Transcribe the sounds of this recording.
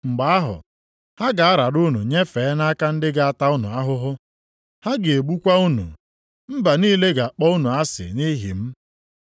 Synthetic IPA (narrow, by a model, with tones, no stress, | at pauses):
ŋ͡m̩˨ɡ͡ba˨˦a˦ɦʊ̰˨ | ha˦ɡa˨a˦ɾa˨ɾʊ˦nu˨ɲe˦fe˨˦na˦ka˦n̩˦dɪ˦ɡa˨a˨ta˦ʊ˦nṵ˨a˦ɦʊ˦ɦʊ˦ | ha˦ɡɪ˨e˨ɡ͡bu˦kʷa˦u˦nṵ˨ | m̩˦ba˨niː˦le˦ɡa˨a˨k͡pɔ˦u˦nu˨a˦sɪ̰˨ni˦ɦḭ˨m̩˦